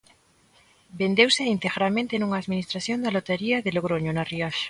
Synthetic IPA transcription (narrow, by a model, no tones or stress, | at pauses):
bend̪ewseint̪eɣɾamẽnt̪enuŋaːðminist̪ɾaθjond̪alot̪eɾiɐðɪloɣ̞ɾoɲonariaʃḁ